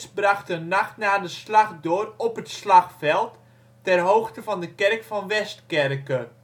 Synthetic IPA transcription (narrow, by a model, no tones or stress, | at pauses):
sbrɑχtənaχtnaːdəslɑχdʊːrɔpətslɑxfɛlˠtː | ɛrɦowxtəvɑndəkɛrkfɑnʋɛstkɛrkə